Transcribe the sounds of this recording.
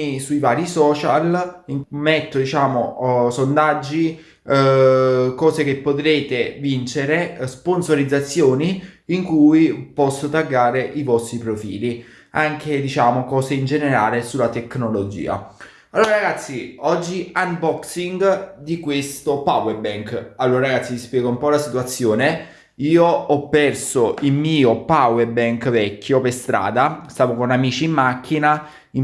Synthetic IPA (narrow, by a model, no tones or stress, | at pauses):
isuivaːɾisɔːt͡ʃa̰liŋmɛt̪ːod̪it͡ʃaːmosond̪ad͡ʒːi | kɔːsek̟epːot̪ɾeːt̪evint͡ʃeɾesponsoɾid̪zːat̪sːjoːniiŋkujipɔsːot̪aɡːaːɾeʔivɔst̪ɾipɾofḭːli | aŋk̟ed̪it͡ʃaːmokɔːseind͡ʒeneɾa̰ːlesulːat̪ekːnolod͡ʒḭːa̰ | alːoːɾaɾaɡat̪sːiɔd͡ʒːianbɔksiŋɡd̪ikwest̪opawebɛŋkalːoːɾaɾaɡat̪sːispjɛːɡoumpɔlasit̪uat̪sːjoːne | iːoɔpːɛrsoilmiːopawebɛŋkvɛkːjopest̪ɾa̰ːd̪ast̪aːvokonamiːt͡ʃiːmːakʰːina | i